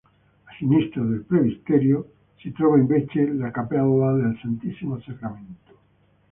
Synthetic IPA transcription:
asinist̪ɾaðelpɾeβist̪eɾjo | set̪ɾoβaembet͡ʃelakapaðaðelsant̪isimosekamẽnt̪o̥

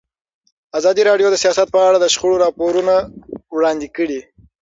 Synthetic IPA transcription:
azɑd̪iɾɑɖjod̪əsijɑsat̪̚pəaɽad̪əʃχʊɽoɾɑpoɾunawɽɑnd̪ikəɽi

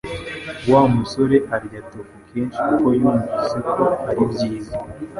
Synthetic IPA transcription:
waːmuso̞ɾe̞ʔaɾɟatokukʰeːnʃikuko̞juːɱviːsekʰo̞aɾibɟiːza

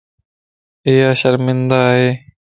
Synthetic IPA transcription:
eːaːɕɐɾmɪnd̪aːɦeː

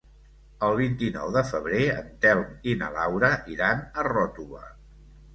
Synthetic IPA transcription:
əlˠβint̪inɔ̰wðəfəβ̞ɾeə̰nt̪ɛlˠminə̰lawɾəʔiɾanərɔt̪uβə̰

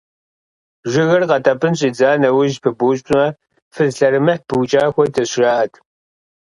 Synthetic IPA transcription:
ʒɪɣɐrqɐtʰɐpʼɨnɕʼiːd͡zaːnɐwʊʒpʰɨbuːɕ̬ʷʼʊmɐ | fɨzɬɐɾɨmɨħb̥ɨwt͡ʃʼaːxʷɔtʰɐɕʒaʔɐtʰ

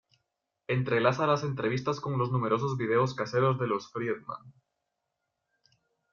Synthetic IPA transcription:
e̞nt̪ɾelasalase̞nt̪ɾe̞β̞ist̪asko̞ŋlo̞znume̞ɾo̞s̬ozβið̞e̞oskaseɾo̞zðe̞losfɾieðmã̰n

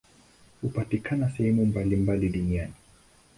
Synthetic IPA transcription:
hupatikʰanasɛhɛmumbalimbaliɗuniani

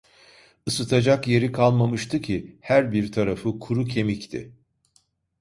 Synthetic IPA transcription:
ɯsɯt̪ʰad͡ʒakje̞ɾikʰalˠmamɯʃt̪ʰɯcʰihæɾbiɾt̪ʰaɾafɯkʰuɾucʰe̞mict̪ʰɪ̰

